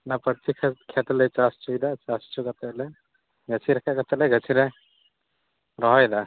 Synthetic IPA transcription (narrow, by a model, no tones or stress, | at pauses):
napəɾt̪ʰikʰkʰɛt̪lɛt͡ʃast͡ʃʰujd̪at͡ʃast͡ʃʰukat̪ɛlɛ | ɡət͡ʃʰiɾɛkʰakat̪ɛlɛɡʱət͡ʃʰiɾɛ | ɾɔɦɔjd̪a